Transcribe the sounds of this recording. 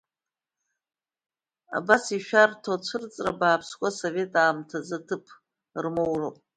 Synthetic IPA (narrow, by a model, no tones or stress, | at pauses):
a̰basiʃᶣartʰot͡ʃʷʰɨrt͡sʼrabaːpʰskʷʼasove̞tʼaːmtʰazatʰɨpʼʰ | rmowro